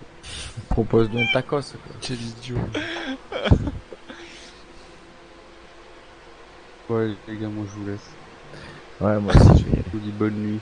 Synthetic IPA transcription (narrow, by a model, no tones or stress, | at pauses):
pχɔpozd̪ɔ̃t̪akɔsaka̰kɛlid̪jo | wɛeɡalmɑ̃ʒəvulɛs | wɛmwasḭt̪ɛ̰ud̪ibɔnːɥi